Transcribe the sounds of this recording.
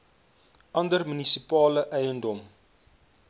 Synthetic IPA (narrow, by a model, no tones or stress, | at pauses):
ʔɐndərmynisipɑːləʔɛjəndɔm